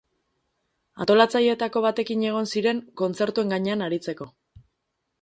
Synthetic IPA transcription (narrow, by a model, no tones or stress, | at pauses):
a̰t̪o̞lat͡saje̞t̪ako̞β̞at̪e̞kiɲe̞ɣ̞o̞nsiɾe̞ŋko̞nt͡se̞ɾt̪ue̞ŋɡaɲeanaɾit͡se̞ko̞